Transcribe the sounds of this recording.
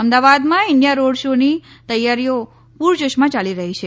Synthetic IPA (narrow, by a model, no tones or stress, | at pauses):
əmd̪aʋad̪mãɪɳɖijaɾoɽʃoni | t̪əjːaɾijo | puɾd͡ʒoʃmãt͡ʃaliɾəɦit͡ʃʰe